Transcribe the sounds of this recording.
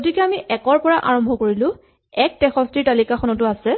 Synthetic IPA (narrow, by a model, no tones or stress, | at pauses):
ɡotikɛamiʔɛkɔɹpɔɹaʔa̰ɹɔmbʱɔkoɹilʊ̃ | ɛk̚tɛxɔstiɹtalikaxɔnɔtʊasɛ